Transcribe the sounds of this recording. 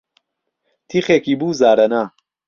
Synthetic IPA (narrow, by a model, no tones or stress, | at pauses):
t̪ʰiχeːkiːbuːzaːɾɐnaː